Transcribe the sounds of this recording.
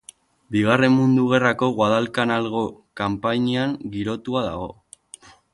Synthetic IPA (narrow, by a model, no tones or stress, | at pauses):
biɣ̞are̞mmund̪uɣ̞e̞rako̞ɣwaðalkanalɣo̞kampaɲiaŋɡiɾo̞t̪uaða̰ɣo̞